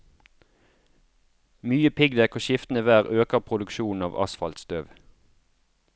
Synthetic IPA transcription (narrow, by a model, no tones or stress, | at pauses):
myːəpʰɪɡd̪ækʰoʃɪft̪n̩əʋæːʁøːkəʁpʰʁʊd̪ʉkʃuːn̩ɑ̰ːʋɑ̰sfɑlt̪st̪øʋ